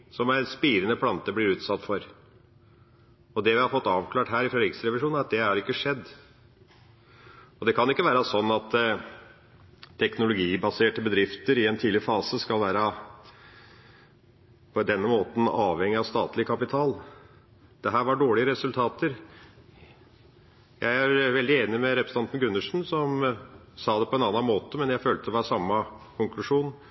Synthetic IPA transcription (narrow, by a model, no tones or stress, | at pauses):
sɔmæɪnspiːɾənəpʰlɑnt̪əblɪɾʉːt̪sɑt̪ːfɔɾ | ɔd̪ɛʋɪhɑɾfɔt̪ːɑːʋkʰlɑːʈɦæːɾɪfɾɛd̪ɾɪksɾɛʋɪʂuːn̩æɾɑt̪̚d̪ɛhɑɾɪkːəʂɛd̪ː | ɔd̪ɛkʰɑnɪkːəʋæːɾɑsɔnːɑt̪ | t̪ʰːɛknʊlʊɡiːbɑseːʈəbəd̪ɾɪft̪əɾɪɛnt̪ʰiːlɪɾəfɑːsəskɑlʋæːɾə | pʰɔd̪ɛnːəmoːt̪n̩ɑːʋhɛŋːɪɑʋst̪ɑːt̪lɪkʰɑpɪt̪ʰɑːl | d̪̥ɛɦæːɾʋɑɖoːɭɪəɾɛsʉlt̪ʰɑːt̪əɾ | jæɪæɾʋɛld̪ɪeːnɪmɛɾɛpɾəsənɑnt̪n̩ɡʉnːəʂn̩sɔm | sɑːd̪ɛpʰɔɛnɑːnːɑnmoːt̪əmɛnjæɪføːlt̪əd̪ɔʋɑːɾsɑmːə | kʰʊŋklʉʂuːn